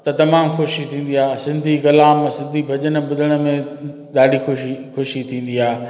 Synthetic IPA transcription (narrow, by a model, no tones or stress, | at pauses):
t̪ɐt̪ɐmaːmxoːʃit̪ʰĩːn̆d̪iaːsɪ̃nd̪ʱikɐlaːmsɪ̃nd̪ʱibʱɐʄənə̆bʊd̪ʱəɽ̃ə̆mẽ | ɗ̪aːɖixʊʃixʊʃit̪ʰĩːn̆d̪iaː